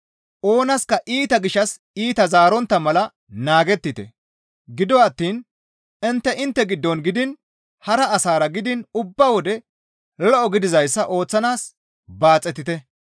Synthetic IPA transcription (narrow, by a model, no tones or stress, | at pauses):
ʔo̞ːnɐskɐʔiːt̪ɐɡɪʃːɐs | iːt̪ɐzaːɾɔnt̪ːɐmɐlɐ | naːɡɛt̪ːɪt̪ɛ̰ | ɡɪd̪ɔːt̪ːiːn | ɪnt̪ːɛʔɪnt̪ːɛɡɪd̪ːɔnɡɪd̪ɪn | hɐɾɐːsaːɾɐɡɪd̪ɪnʊbːɐwɔd̪ɛ | lɔʔɔɡɪd̪ɪzɐjsːɐʔo̞ːt͡sːɐnaːs | baːt͡sʼːɛt̪ːɪt̪ɛ